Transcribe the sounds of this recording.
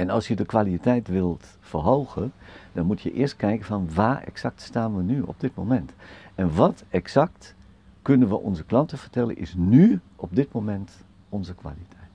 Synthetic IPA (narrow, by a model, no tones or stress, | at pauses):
ɛnɔlˠsjədəkʋalitʰɛjtʋɪlˠt | fərɦoːɣəd̥ɔnmutʰjəʔɪːəst̚kɛjkəfɔnʋaːɛ̰ksak̚tstaːnʋənyɔ̰b̚dɪtmomɛntɛnʋɔtɛksak̚t | kønənʋəʔɔ̰nzəklɑntəfərtɛlˠə̰nʔɪ̰snyʔɔp̚dɪtmomɛnt | ɔnzəkʋa̰litʰɛjt